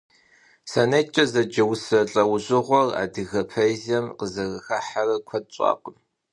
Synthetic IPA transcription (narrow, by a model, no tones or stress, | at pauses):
sɐnɐt͡ʃʼɐzɐd͡ʒɐwsɐɬʼɐwʑʼɨʁʷɔra̰ːdɨɣɐpʰɐjzɐmqəzɐɣɐxɐħarɐkʷʰɐt̚ɕʼɑ̰ːqəm